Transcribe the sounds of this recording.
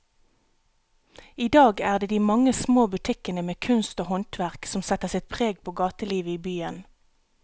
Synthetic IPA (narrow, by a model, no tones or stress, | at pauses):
iːd̪ɑːɡæːʁd̪eːd̪iːmɑŋəsmoːbʉt̪ʰɪkənəmeːkʰʉnst̪oːhɔnt̪ʰʋæʁksɔmsɛt̪əʁsɪt̪̚pʰʁeːɡpʰoːɡɑːt̪əliːʋəiːbyːən